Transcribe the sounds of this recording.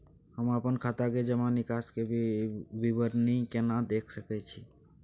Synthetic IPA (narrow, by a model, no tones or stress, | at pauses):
həməpənkʰat̪aked͡ʒəmanikaske | bibəɾnikenad̪ekʰsəkɛt͡ʃʰi